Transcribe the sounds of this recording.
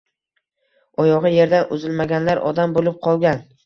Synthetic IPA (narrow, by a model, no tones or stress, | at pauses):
ɒjɒʁɨje̞ɾd̪anʊzɪlmaɡʲanlaɾʔɒ̰d̪ambolɪp̚qʰɒlˠɡʲan